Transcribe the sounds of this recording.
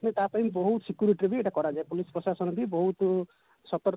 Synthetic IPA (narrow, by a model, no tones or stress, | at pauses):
net̪apaĩmbɔɦut̪ɔsikjuɾiʈiɾɔbieːʈakɔɾad͡ʒaepulispɾɔsasɔñɔbibɔɦut̪ | sɔt̪ɔɾ